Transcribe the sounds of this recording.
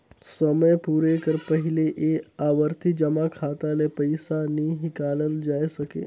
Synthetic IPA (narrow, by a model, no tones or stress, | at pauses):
səməjpuːɾekəɾpəɦɪleʔeːaːʋəɾt̪ʰid͡ʒɐmakʰaːt̪alepɐɪsanĩɦɪkaːləld͡ʒaːesɐkḛː